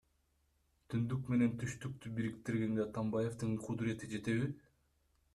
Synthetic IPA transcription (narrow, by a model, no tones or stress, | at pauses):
t̪ʰynd̪ykme̞ne̞nt̪ʰyʃt̪yk̚t̪ybiɾikt̪iɾɡe̞ŋɡeɑt̪ambaje̞ft̪ɯɴqʰʊd̪ɾie̞t̪id͡ʒe̞t̪e̞βi